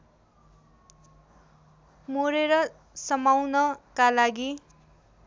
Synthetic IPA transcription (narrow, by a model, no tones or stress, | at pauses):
moɾeɾʌ | sʌmawnʌkalaɡi